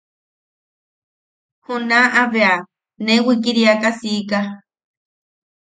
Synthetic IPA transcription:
hunãʔaβea | nẽwik̬iɾiakasika

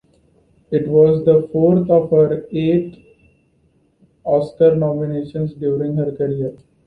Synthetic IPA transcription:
ɪʈʋɔːzd̪əfoːɾt̪ʰɔːʋɦəɾeːʈ | ɔːsʈəɾnɔːmɪneːʃə̃nsɖjuːɾɪ̃ŋɡɦəɾkəɾijəɾ

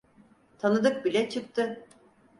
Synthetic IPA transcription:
t̪ʰanɯd̪ɯk̚bilʲɛt͡ʃʰɯkt̪ʰɯ

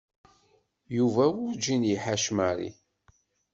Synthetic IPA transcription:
juvæwʊɾd͡ʒinjiħaʃmæɾḭ

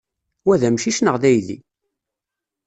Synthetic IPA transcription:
wæðæmʃiʃnəʁðæjðḭ

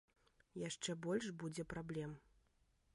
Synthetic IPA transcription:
jaʂt͡ʂɛbɔlʲʂbud͡zʲɛpɾablʲɛm

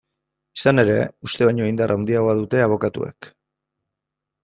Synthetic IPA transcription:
i̥sane̞ɾe̞ust̪e̞βaɲoind̪arʔawnd̪iaɣo̞aðut̪e̞aβ̞o̞kat̪ṵe̞̰k

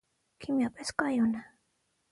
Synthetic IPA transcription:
kʰimjapeskajona

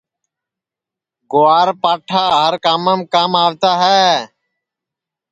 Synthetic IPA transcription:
ɡʊːaːɾpaːʈʰaːɦəɾkaːməmkaːmaːʋt̪aːɦɛː

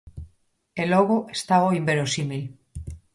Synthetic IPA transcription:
eloɣoʔest̪aoimbeɾosimil

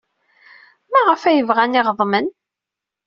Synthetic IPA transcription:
mæʁfæjəvʁæniʁðˤmən

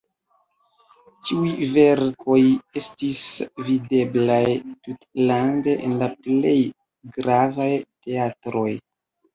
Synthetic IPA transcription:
t͡ʃiujve̞ɾkʰo̞je̞stisvide̞blajtutlande̞ʔenlaple̞j | ɡɾavajte̞atɾo̞j

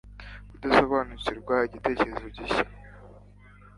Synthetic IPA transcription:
kudaso̞βaːnuciɾɡwaiɟite̞ːceɾziuɟiɕḁ

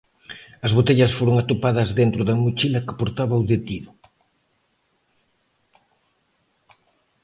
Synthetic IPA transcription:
ɐzβot̪eʎɐsfoɾoŋat̪opaðɐzðent̪ɾʊðɐmut͡ʃilɐkɪ̥poɾt̪aβɐowðet̪iðʊ

